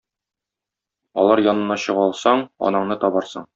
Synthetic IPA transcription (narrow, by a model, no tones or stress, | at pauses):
ɒ̰lˠɑɾjɒnɤ̆nːɑɕɤ̆ʁɒlˠsɑɴɒ̰nɑɴnɤt̪ɒbɑɾsɤ̰ɴ